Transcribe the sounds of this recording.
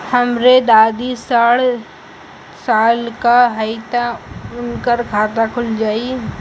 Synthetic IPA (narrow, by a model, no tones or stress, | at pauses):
hɐmɾed̪aːd̪isaːɽ | saːlkaɦəɪt̪aʊnkəɾkʰaːt̪akʰʊld͡ʒaːi